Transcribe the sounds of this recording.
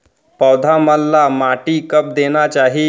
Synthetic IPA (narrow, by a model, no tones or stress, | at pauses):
pəwd̪ʱaməlːamaʈikəp̚d̪eñat͡ɕaɦi